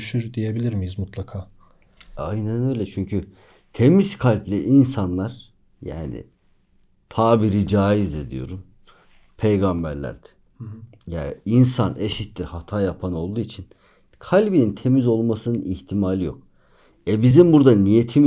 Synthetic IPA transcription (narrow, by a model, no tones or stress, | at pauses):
ʃyɾd̪ije̞bilʲiɾmijizmut̪lˠakʰaː | a̰jnænø̞jlʲɛt͡ʃʰyɲcʰy | t̪ʰe̞mizkʰalʲplʲɛʔinsanlˠaɾ̥ | ja̰ːnḭ | t̪ʰaːbiɾid͡ʒaːjizd̪iɾd̪ḭjo̞̰ɾum | pʰe̞jɡambæ̰ɾlʲæ̰ɾd̪̥ɛ̥ | ja̰ːinsanʔeʃit̪lʲiɾhat̪ʰaːjapʰano̞lˠd̪uːit͡ʃʰin | kʰalʲbinint̪ʰe̞mizo̞lˠmasɯnɯniçt̪ʰimalʲijo̞̰k | ɛbizimbuɾd̪anije̞t̪ʰim